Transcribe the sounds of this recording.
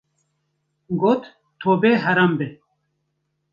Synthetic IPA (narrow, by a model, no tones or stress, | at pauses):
ɡoːt̪ | t̪ʰoːbeːɦɐɾambe